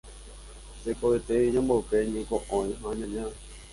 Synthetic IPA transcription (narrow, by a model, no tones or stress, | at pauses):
sekoet̪eiɲãmbowpeɲẽkõʔõĩãɲãɲã